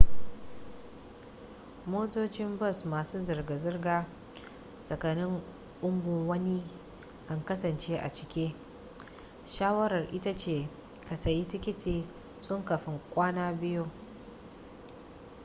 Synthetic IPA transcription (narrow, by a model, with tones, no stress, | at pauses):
moː˦toː˦t͡ʃɪ˦mbɐ˦˨smaː˨suː˦zɐ˨rɡa˨zɪ˦rɡaː˦ | sɐ˨kɐ˨nɪ˦ŋ | ʔʊ˦mbʊ˨ŋwɐ˦ni˦ | kɐ˨ŋkɐ˦sɐ˨nt͡ʃeː˦ʔa̰˨t͡ʃɪ̥˨kʲeː˦ | ʃaː˦wɐ˦ɾɐ˨rʔɪ˦ta˦t͡ʃeː˨ | kɐ˨sɐ˨ji˦tɪ˦kʲɪ˦tʰiː˨ | sʼʊ˦ŋkɐ˨ɸɪ˦ŋkʷʼaː˦naː˦bɪ˦jo˦